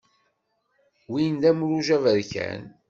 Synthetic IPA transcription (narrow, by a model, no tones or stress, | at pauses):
wind̪æmɾuʒævəɾçæ̰n